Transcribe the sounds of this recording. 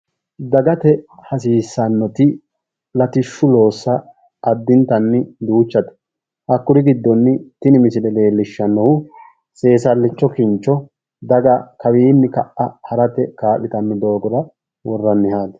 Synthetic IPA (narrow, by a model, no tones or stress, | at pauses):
d̪ɐɡɐt̪ɛhɐsiːsːɐnːɔt̪ɪ | lɐt̪ɪʃːʊlo̞ːsːɐ | ʔːd̪ːɪnt̪ɐnːɪd̪uːt͡ʃːɐt̪ɛ̥ | ʔɐkːʊɾɪɡɪd̪ːɔnːɪt̪ɪnɪmɪsɪlɛle̞ːlːɪʃːɐnːɔwʊ | se̞ːsɐlːɪt͡ʃːɔkɪnt͡ʃːɔ | d̪ɐɡɐkɐwiːnːɪkɐʔːɐhɐɾɐt̪ɛkaːlːɪt̪ɐnːɪd̪o̞ːɡɔɾɐ | wɔrːɐnːɪhaːd̪ɐ̥